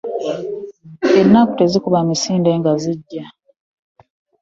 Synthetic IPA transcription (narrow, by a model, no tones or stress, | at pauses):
enːaku̥te̞zikuβamisiːnde̞ːŋɡaziɟːa